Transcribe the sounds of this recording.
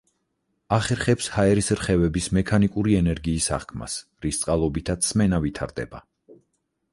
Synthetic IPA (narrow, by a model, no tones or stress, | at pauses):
aχɛɾχɛpshaɛɾisɾχɛvɛbismɛkʰanikʼuɾiɛnɛɾɡiːsa̰χkʰma̰sɾist̪sʼqʼalˠɔbit̪ʰat̪smɛnavit̪ʰaɾd̪ɛ̰ba